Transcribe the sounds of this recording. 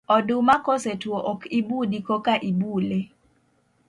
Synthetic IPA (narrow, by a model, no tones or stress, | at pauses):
ɔdumakosetwoʔokibudikokaʔibule